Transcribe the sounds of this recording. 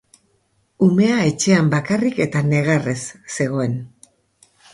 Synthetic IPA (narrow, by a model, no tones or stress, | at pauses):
ume̞ae̞t͡ʃe̞ambakarike̞t̪ane̞ɣ̞are̞sse̞ɣ̞o̞e̞n